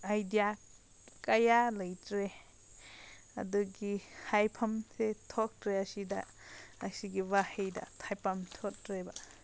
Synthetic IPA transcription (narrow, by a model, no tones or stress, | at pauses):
ajdija | kajaləjtɾe | ɐ̰duɡihajpʰɐmsetʰɔk̚tɾeasida̰ | aksiɡiwahejda̰tʰajpamtʰɔt̚ɾeba